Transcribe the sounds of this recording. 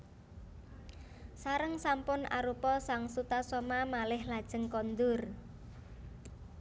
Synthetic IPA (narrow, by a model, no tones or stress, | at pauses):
saɾəŋsampʊnʔa̰ɾupɔsaŋsut̪asɔmamalɪhlad̥ʒ̥ə̤ŋkɔnd̪ʊr